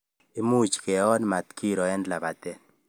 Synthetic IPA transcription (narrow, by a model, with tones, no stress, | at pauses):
i˦mu˦t͡ʃkɛ˨ɔ˦nma˨t̪kʰi˦ɾɔ˨ɛ˦ndla˨ba˨t̪ɛ˦